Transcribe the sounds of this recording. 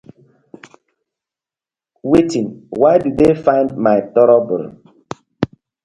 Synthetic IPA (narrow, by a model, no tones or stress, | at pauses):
wetĩnwaɪdudefãɪ̃ndmaɪtɔɾɔbɔ̰l